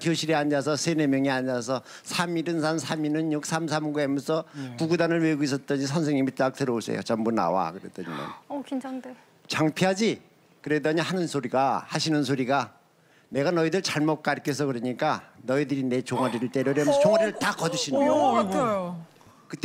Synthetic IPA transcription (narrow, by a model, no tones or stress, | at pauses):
kʰjoɕʰiɾeaɲd͡ʑas̬ʰʌsʰe̞ne̞mjʌŋiaɲd͡ʑas̬ʰʌ | sʰamiɾɯnsʰansʰaminɯnjuk̚s͈ʰamsʰamɡuems͈ʌpuɡudanɯɭmeɡuis̬͈ʌt̚t͈ʌɲis̬ʰʌns̬ʰe̞ŋɲːimit͈ak̚t͈ɯɾʌoɭs͈ʰḛjo̰t͡ɕambuna̰wa̰kɯɾḛd̥ʌɲḭnʌ̰nkŋ | t͡ɕaŋpʰiɦad͡ʑi | kɯɾe̞dʌɲihanɯnsʰoɾiɡahaɕʰinɯnsʰoɾiɡa | ne̞ɡanʌidɯɭt͡ɕaɭmot̚k͈aɭkʰes̬ʰʌkɯɾʌɲik͈anʌidɯɾine̞t͡ɕoŋaɾiɾɯɭt͈eɾjʌɾjʌmt͡ɕoŋɦaɾiɾɯɭtakʌdɯɕʰinɯot | kɯt͈